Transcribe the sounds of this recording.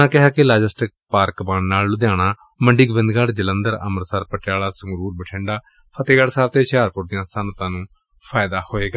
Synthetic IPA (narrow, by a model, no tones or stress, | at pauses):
ãːkɪɦaːkɪlaːd͡ʒəsʈɪk̚paːɾkbaːnːaːllʊd̪jaːɽ̃aː | məɳɖiːɡʋɪ̃nd̪ɡaːɽd͡ʒələ̃nd̪əɾə̰məɾsəɾpəʈjaːlaːsəŋɡɾuːɾbəʈʰẽːɳɖaː | pʰət̪eːɡaːɽsaːɾt̪eːʃaːɾpʊɾd̪ijãːsənət̪ãːnũː | pʰaːjd̪aːhoːeːɡaː